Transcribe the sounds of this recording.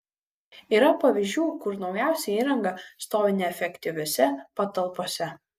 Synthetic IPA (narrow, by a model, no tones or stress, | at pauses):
iːɾɐpɐʋʲɪʒʲd͡ʒʲuːkʊɾnɒʊjæˑʊsʲɛiːɾɐŋɡɐst̪oːʋʲɪnʲɛɛfʲɛkʲt̪ʲɪʋʲoːsʲɛpɐt̪ɐlˠpoːsʲɛ